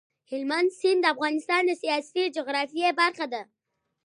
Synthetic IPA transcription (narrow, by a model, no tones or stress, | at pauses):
hɪlmand̪sind̪əafɣɑnɪst̪ɑnd̪əsijɑst̪id͡ʒʊɣɾɑfijebaɾxad̪a